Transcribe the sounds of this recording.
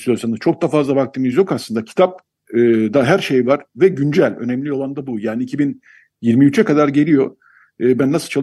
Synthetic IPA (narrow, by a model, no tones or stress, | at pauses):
lijo̞ɾsanɯz̥t͡ʃʰo̞k̚d̪afazlˠabak̚t̪ʰɯmizjo̞kaslˠɯnd̪acʰi̥t̪ʰap̚ | ɯːd̪aɦæɾʃe̞jvaɾ̥vɛɟynd͡ʒælʲø̞̰nɛmlʲijo̞lˠand̪abujaːniicʰibin | jiɾmiyt͡ʃʰɛkad̪aɾɟe̞lʲijo̞ | ɯːbænːasɯt͡ʃʰalˠ